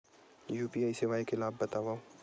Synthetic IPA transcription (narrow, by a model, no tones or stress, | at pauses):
juːpiːaːisɪʋaːikelaːbːɐt̪aːʋaːo